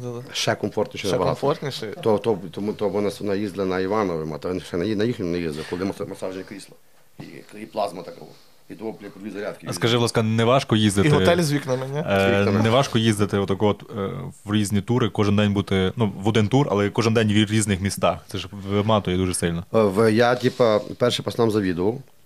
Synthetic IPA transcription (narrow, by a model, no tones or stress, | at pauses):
d̪ad̪ʃɛkɔmfɔrt̪nʲiʃɛɛɛbɐɑt̪fɔrt̪nʲiʃɛt̪ɔt̪ɔbt̪ɔt̪ɔbɔnasnɐjizd̪lˠɪnɐiʋɑnɔʋɪmɑ̰t̪nʃɛninɐjixnʲɔnɐjizd̪lˠɪkɔlˠd̪ɪmɔsmɐsaʒenʲɐkɾʲislˠɐ | ḭkiplˠɑzmɐt̪ɑkɐʋɔ̰ | it̪ɔʋɔplʲpd̪ʲizɐɾʲat̪kʲskɐʒɪʋlˠɑskɐnɛʋɑʃkɔjizd̪ɪt̪ɔɛlʲzʲʋʲiknɐmɛnʲɛnɛʋɑʃkɔjizd̪ɪt̪ɪɔt̪ːɐkɔɔt̪ʋɾʲizʲnʲit̪uɾɪkɔʒɪnd̪ɛnʲbut̪ɪnuʋɔd̪ɪnt̪urɐ̰lˠɛkɔʒɪnd̪ɛnʲʋɾʲiznɪxmʲist̪ɑxt̪sɛʒemɑt̪ɔjɛd̪uʒɛsɪlʲnɔʋjatʲipɐpɛrʃɛpɐsnamzɐʋʲid̪ʊʋɐw